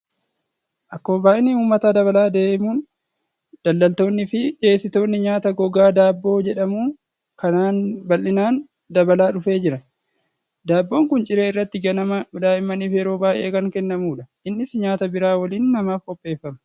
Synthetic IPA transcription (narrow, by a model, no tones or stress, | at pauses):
ʔɐkːo̞ːbaːʔɪnɪuːmːɐt̪ad̪ɐβɐlaːd̪e̞ːʔmuːn | d̪̥ɐlːɐlt̪oːnːɪfɪᶑe̞ːsɪt̪o̞ːnːɪɲaːt̪ɐɡɔɡaːd̪aːbːo̞ːd͡ʒɛᶑɐmuː | kɐnaːnbɐlːɪnaːn | d̪ɐbɐlaːᶑʊfe̞ːd͡ʒɪɾɐ | d̪aːbːo̞ːŋkʊnt͡ʃʼɪɾe̞ːɪrːɐt̪ːɪɡɐnɐmɐʊd̪aːʔɪmːɐniːfɪɛɾo̞ːbaːʔe̞̰ːkɐŋkɛnːɐmuːᶑɐʔɪnːɪsɲaːt̪ɐbɪɾaːwɐliːnːɐmaːfɔpʼːe̞ːfːɐmɐ